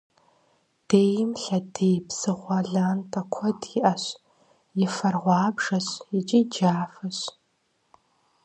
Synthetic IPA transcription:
d̥eːjɪmɬɐdejbsɨʁʷɐɮaːntʰʼɐkʷʰɔdɪʔɐɕ | jɪfɐrʁʷɑːbʐɐɕit͡ʃʼid͡ʒaːfɐɕ

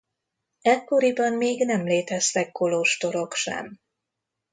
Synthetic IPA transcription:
ɛkːo̞ɾibɒmmeːɡnɛmleːt̪ɛst̪ɛkːo̞loʃt̪o̞ɾo̞kʃɛ̰m

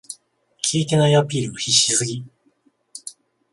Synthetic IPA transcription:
kʲʰiːt̪e̞naiapʲiːɾɯ̟oçiɕːisɨɡʲi

